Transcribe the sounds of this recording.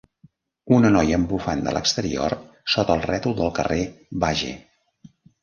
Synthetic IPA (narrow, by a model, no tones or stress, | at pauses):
unənɔjəmbufand̪ə̰lʔə̰kst̪əɾio̰r | sot̪əlˠrɛt̪ud̪əlˠkəreβaʒḛ